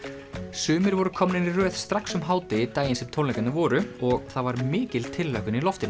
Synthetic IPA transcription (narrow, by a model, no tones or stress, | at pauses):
sʏːmɪɾvɔɾʏkʰɔmnɪnirœːθst̪ɾaksʏmɦaːwt̪ɪit̪aːjɪnsɛmt̪ʰowlɛjkanavɔːɾʏɔɣθavaɾmɪːcɪlt̪ʰɪlːakʏnilɔft̪ɪn